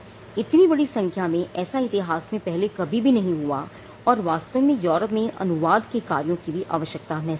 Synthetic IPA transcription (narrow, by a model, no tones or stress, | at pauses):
ɪt̪nibɐɽisɐ̃ŋkʰjamẽʔɛːsaɪt̪ɪɦaːsmẽpɛɦlekɐbʱibʱinɐɦĩɦua | ɔːɾʋaːst̪əmẽjɔːɾəpmẽʔɐ̰nʊʋaːd̪kekaːɾijõkibʱiʔa̰ːʋəʃjək̚t̪amɛ